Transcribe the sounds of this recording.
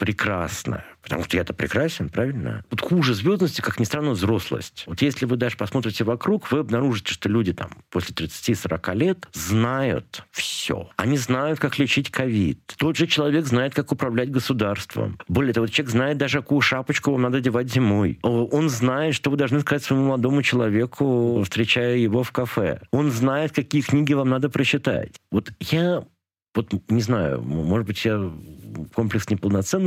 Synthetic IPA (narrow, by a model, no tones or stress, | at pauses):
pɾʲɪkɾa̰snə̰pə̥t̪ɐ̰muʂt̪əjat̪əpɾʲɪ̰kɾasʲɪnpɾavʲɪlʲnə̰vot̪xuʐɨzʲvʲo̞zənəsʲtʲɪ̥kaknʲɪst̪ɾanːovzɾo̞slˠə̰sʲtʲvo̞t̪jesʲlʲɪvɨd̪aʐɨpɐsmo̞t̪ɾʲɪtʲɪvɐkɾukvɨɐbnɐɾuʐɨtʲɪ̥ʂt̪olʲudʲɪt̪a̰mposʲlʲɪt̪ɾʲɪt̪sɨ̥tʲisəɾɐkalʲet̪znajʊ̰t̪fsʲo̰ɐnʲiznajʊt̪̚kaklʲɪt͡ɕitʲkɐvʲḭt̪t̪o̞d̪ʐɨt͡ɕɪlˠɐvʲe̞ɡznajɪt̪kakʊpɾɐvlʲætʲɡəsʊd̪arst̪və̰bo̞lʲɪət̪ɐvoot͡ɕʲeɡznaɪt̪̚d̪aʐɨkɐkujʊʂapət͡ɕkʊvamnad̪ədʲɪvatʲzʲɪmo̞jo̞nznajɪt̪ʂt̪ovɨd̪ɐlˠʐnɨskɐzatʲsvɐɪmuməlˠɐd̪o̞mʊt͡ɕɪlˠɐvʲe̞kʰʊfst̪ɾʲɪt͡ɕæjʊjɪvo̞fkɐfɛ̰o̞nznajɪt̪kɐkʲijəknʲiɡʲɪvamnad̪əpɾəɕːɪt̪a̰tʲvo̞t̪ja | vo̞t̪nʲɪznajʊ̰mo̞ʐɨd̪̚bɨtʲja | komplʲɪksnʲɪpəlˠnɐt̪sɛnː